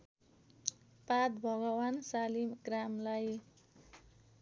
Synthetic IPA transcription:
pat̪bʱʌɡʌwansalimɡramlaj

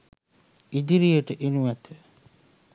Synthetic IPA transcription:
id̪iɾijəʈəʔenuʋæt̪ə

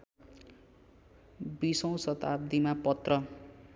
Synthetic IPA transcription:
bisʌw̃sʌt̪ab̚d̪imapʌt̪rʌ

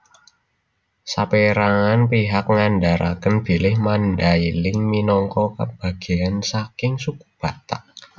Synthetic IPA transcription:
sapeɾaŋanpiɦak̚ŋandaɾʔa̰kənb̥i̤lɪhmandailɪŋminɔŋkɔkə̰b̥a̤ɡ̥i̤ansakɪŋsuku̥b̥a̤t̪aʔ

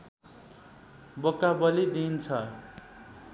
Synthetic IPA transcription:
bokabʌlid̪int͡sʰʌ

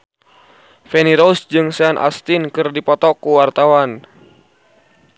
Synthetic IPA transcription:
fɛniɾousd͡ʒɨŋsɛanʔa̰st̪inkɨrdipɔt̪ɔkuwart̪awan

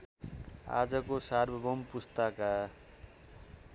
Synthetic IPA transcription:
a̰d͡zʌkosarbʱʌbʌmpust̪ʌka

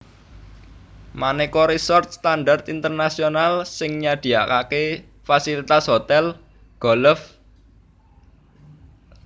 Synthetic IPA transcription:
manɛkoɾisɔrt̪̚st̪anɖart̪int̪ərnasionalsɪŋɲad̪̥i̤akake | fasilit̪asɦot̪ɛl | ɡ̥ɔ̤ləf

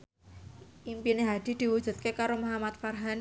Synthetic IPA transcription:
ʔimpineɦad̪̥i̤d̪̥i̤wu̥ʒ̥ṳt̪̚kekaɾomaɦamat̪̚farɦan

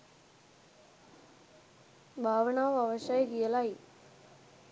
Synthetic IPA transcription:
bʱaːʋɐɳaːʋɐʋɐʃaːjɡijɐlaːji

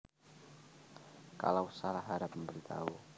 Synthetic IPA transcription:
ka̰lawsalahɦaɾap̚məmbəɾit̪ʰa̰u

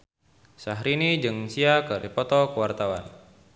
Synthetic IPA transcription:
saɦɾinid͡ʒɨŋsiakaɾipɔt̪ɔkəwart̪awa̰n

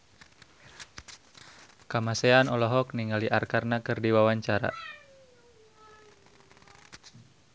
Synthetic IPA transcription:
kamasɛanɔlɔɦɔkniŋaliʔarkarnakɨrdiwawaɲt͡ʃaɾa̰

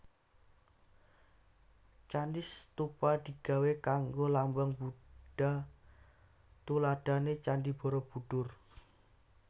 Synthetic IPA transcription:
t͡ʃandist̪upad̪̥i̤ɡ̥a̤wekaŋɡolambəŋbuɖɖ̥a̤ | t̪ulad̥a̤net͡ʃandib̥ɔ̤ɾɔb̥ṳɖ̥ʊr

